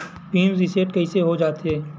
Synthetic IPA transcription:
piːmɾiseːʈ̚kɐɦiseɦod͡ʒaːt̪eɦɛː

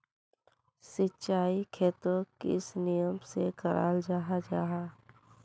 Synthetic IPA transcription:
sɪtːt͡ʃaːikʰeːt̪okḛsnijəmsekəɾʔa̰ːld͡ʒaːɦad͡ʒaːɦaː

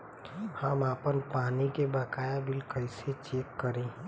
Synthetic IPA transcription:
həmaːpənpaːnikebakaːjabʱɪlkəɪset͡ʃeːkːəɾẽː

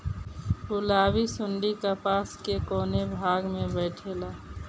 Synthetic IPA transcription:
ʊlaːwisʊɳɖikapaːskekoːnebʱaːɡmẽbɛːʈʰelaː

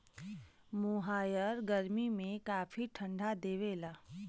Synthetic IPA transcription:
muɦaːjəɾɡəɾmimẽkaːfʰiʈʰə̃ɳɖʱad̪eːʋeːlaː

